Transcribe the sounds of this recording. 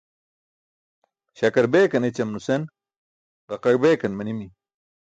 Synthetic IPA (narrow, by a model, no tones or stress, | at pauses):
ɕɐkɐɾbeːkɐnet͡ɕɐmnusen | ʁɐqɐɻbeːkɐnmɐnimi